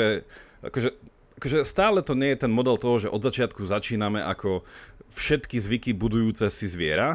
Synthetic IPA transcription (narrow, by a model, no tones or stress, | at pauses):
ɛʔa̰kɔʒɛ | ʔakɔʒɛst̪aːlɛt̪ɔɲɪɛjɛt̪ɛnmɔd̪ɛlt̪ɔɦɔʒɛʔɔd̪zat͡ʃɪat̪̚kuzat͡ʃiːnamɛʔa̰kʰɔfʃɛt̪kizʋikibud̪ujuːt͡sɛsizʋɪɛɾa